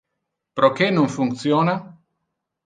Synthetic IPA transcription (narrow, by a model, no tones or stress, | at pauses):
pɾokenoŋfuŋkt̪sjoːna